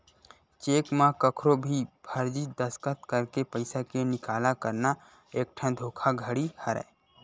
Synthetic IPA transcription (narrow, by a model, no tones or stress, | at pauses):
t͡ʃeːkmãkəkʰɾobʱibʱəɾd͡ʒid̪əskət̪kəɾkepəɪsakenɪkaːlakəɾna | eːkʈʰə̃d̪ʱoːkʰaɡʱəɽihəɾɛ̰